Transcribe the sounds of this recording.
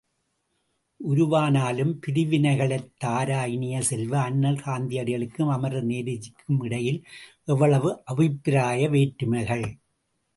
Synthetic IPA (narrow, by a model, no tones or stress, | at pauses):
ʔʊɾʊʋaːnaːlɯmpɪðɪʋɪnɐɪɣɐɭɐɪt̪ːaːɾaːjɪnɪjɐsɛlʋɐːnːɐlkaːnd̪ɪjɐɽɪɣɐɭɯkːɯmɐmɐɾɐneːðɪd͡ʒɪkʰːɯmɪɽɐjɪlʔɛʋːɐɭɐʋɯʔɐʋɪpːɪɾaːjɐʋeːʈːɯmɐɪɣɐɭ